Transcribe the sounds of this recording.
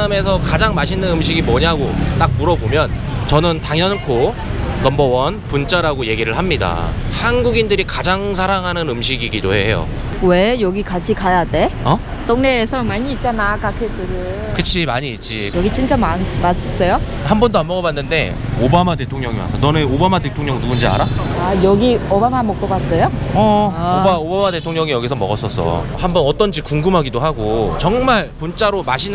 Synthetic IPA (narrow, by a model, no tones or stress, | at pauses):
ame̞s̬ʰʌkad͡ʑaŋmaɕʰinɯnɯmɕ̬ʰiɡimʌɲaɡot͈ak̚muɾʌbomjʌnt͡ɕʌnɯntaŋjʌnkʰo | nʌmbʌwʌnpunt͡ɕ͈aɾaɡoje̞ɡiɾɯɭhamɲida̰hanɡuɡindɯɾikad͡ʑaŋs̬ʰaɾaŋɦanɯnɯmɕʰiɡiɡidoheɦe̞jo̰ | we̞jʌɡikat͡ɕʰikajade̞ʌ | t͈oŋneːsʰʌmaɲiːt̚t͡ɕ͈anakakʰetɯɾɯ | kɯt͡ɕʰimaɲiːt̚t͡ɕ͈ijʌɡit͡ɕint͡ɕ͈amamas͈ʌs͈ʌjo | hambʌndoamʌɡʌbanːɯnde̞̰ | obamate̞tʰoŋɲʌŋima̰tʌnʌnɯobamade̞tʰoŋɲʌŋnuund͡ʑia̰ɾaajʌɡiobamamʌk͈ʌbas͈ʌjoʌbaobamade̞tʰoŋɲʌŋijʌɡis̬ʰʌmʌɡʌs͈ʌs͈ʰʌ̰hambʌnʌt͈ʌnd͡ʑikuŋɡɯmɦaɡidoɦaɡot͡ɕʌŋmaɭpont͡ɕ͈aɾomaɕʰin